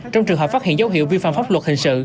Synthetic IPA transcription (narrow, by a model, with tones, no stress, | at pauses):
t͡ɕɔ˧wŋ͡mt͡ɕɨ˨˩ŋɦə˨˩faː˦˥t̚hḭ˧˨nza˦wɦḭ˧˨əwvi˧fa̰ː˧˨mfaː˦˥p̚wə˩t̚hï˨˩ŋsɨ̰˧˨